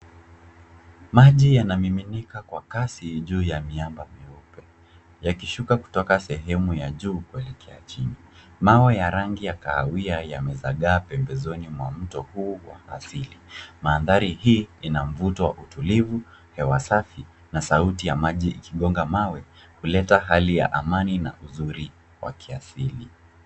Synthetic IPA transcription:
maʄijanamiminikakwakasiʄuːjamiambamiɔpɛ | jakiʃukaku̥tɔkasɛɦɛmujaʄuːkuɛlɛkʰɛat͡ʃinimawɛjaɾaŋɡijakaːwiaja̰mɛzaɠaːpɛmbɛzɔnimwa̰m̩tɔhuːwa̰asilimaːnðaɾihiːinam̩vutɔwa̰ʔutulivu | hɛwasafi | nasautijamaʄiːkiɠɔŋɡamawɛ | hulɛtaɦalija̰ʔamanina̰ʔuzuɾi | wa̰kʰiasili

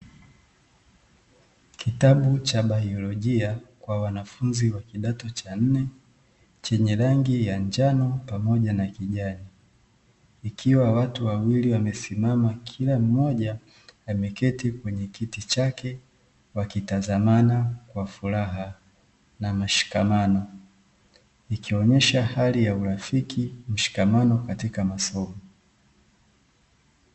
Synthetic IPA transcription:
kitaɓut͡ʃaɓaiɔlɔʄiakwawanafunziwakiɗatɔt͡ʃan̩nɛ | t͡ʃɛɲɛɾaŋɡijand͡ʒanɔpamɔʄanakiʄani | kʰiwawatuwawiliwamɛsimamakʰilam̩mɔʄaː | mɛkɛtikwɛɲɛkitit͡ʃakɛ | wakitazamanakwafuɾaɦa | namaʃi̥kamanɔ | ikiɔɲɛʃahalijauɾafikim̩ʃi̥kamanɔkatikamasɔmɔ

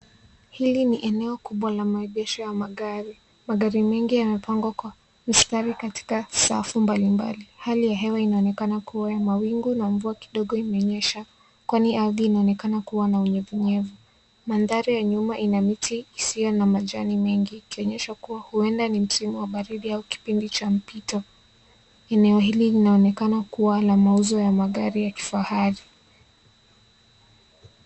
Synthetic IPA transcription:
hiliniʔɛnɛɔkuɓwalamaɛɓɛʃɔjamaɠaɾi | maɠaɾimɛŋɡijamɛpaŋɡwakwa | m̩staɾikati̥kasa̰fumbalimba̰lihalijaɦɛwainaɔnɛkanakʰuwajamawiŋɡunaɱvuaki̥ɗɔɠɔimɛɔɲɛʃa | kwaniaðiːnaɔnɛkanakuwanauɲɛvuɲɛvu | manðaɾijaɲumaʔinamitiːsijɔnamaʄanimɛŋɡiːkiɔɲɛʃakuwahuɛndanim̩simuwaɓaɾiɗiauki̥pindit͡ʃam̩pitɔ | ɛnɛɔhililinaɔnɛkanakuwanamauzɔjamaɠaɾijaki̥fahaɾi

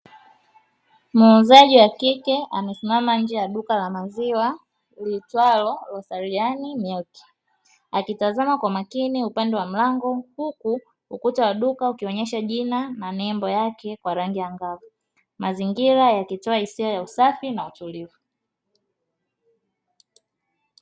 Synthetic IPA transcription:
munzaʄiwakikɛʔamɛsimamaɲ̩d͡ʒɛjaɗukalamaziwa | litwalɔlɔsaɾianimɛlki̥ | akitazamakwamakiniupandɛwam̩laŋɡɔhuku | ukutawaɗukaukiɔɲɛʃaʄinananɛmbɔjakɛkwaɾaŋɡijaŋɡavu | maziŋɡiɾajakitɔahisiajausafinautulivu

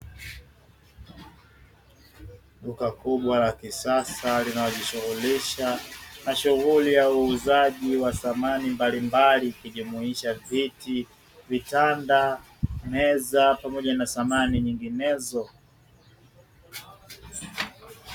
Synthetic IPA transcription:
ɗukakuɓwalakisasalinaɔʄiʃuɣuliʃamaʃuɣulijauːzaʄiwaθamanimbalimbalikiʄumuiʃaviti | vitanda | mɛzapamɔʄanasamaniɲiŋɡinɛzɔ

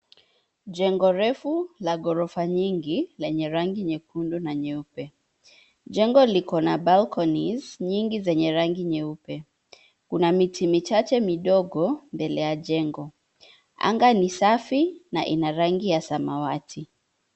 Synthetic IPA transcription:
ʄɛŋɡɔɾɛfulaɠɔɾɔfaɲiŋɡilɛɲɛɾaŋɡiɲɛkundunaɲɛupɛ | ʄɛŋɡɔlikɔnaɓalkɔnizɲiŋɡizɛɲɛɾaŋɡiɲɛupɛ | kunamitʰimit͡ʃat͡ʃɛmiɗɔɡɔmbɛlɛjaʄɛŋɡɔ | a̰ŋɡanisafinaʔḭnaɾaŋɡijasamawatʰi

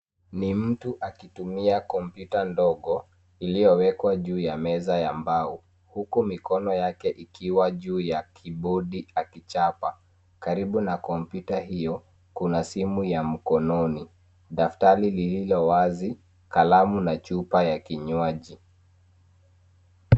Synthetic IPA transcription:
nim̩tuʔakitumiakɔmpjutandɔɠɔ | ilijɔwɛkwaʄuːjamɛzajambau | hukumikɔnɔjakɛʔikʰiwaʄuːjakʰiɓuɗiakit͡ʃapa | kaɾiɓunakɔmpjutaɦijɔ | kunasimujam̩kɔnɔni | ɗaftaɾilililɔwazi | kalamunat͡ʃupajakiɲwaʄi

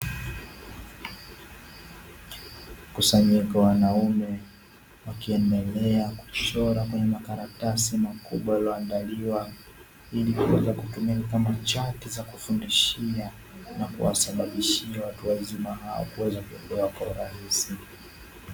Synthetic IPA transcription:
kusaɲikawanaumɛ | wakiɛndɛlɛaku̥ʃɔɾakwɛɲɛmakaɾatasimakuɓwajalɔandaliwa | ilikuwɛzakutumilikamat͡ʃatizakufundiʃia | nakṵwa̰saɓaɓiʃiawatuwazimaɦawa̰kuwɛzakuɛpɛwakwauɾahisi

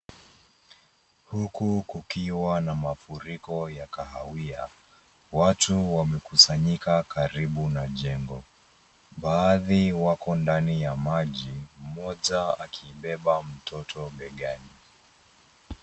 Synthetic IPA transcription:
hukukukiwanamafuɾikɔjakahawia̰ | watuwamɛkusaɲikakaɾiɓunaʄɛŋɡɔ | ɓaːðiwakɔndanijamaʄim̩mɔʄaa̰kʰiːɓɛɓam̩tʰɔtʰɔɓɛɠani

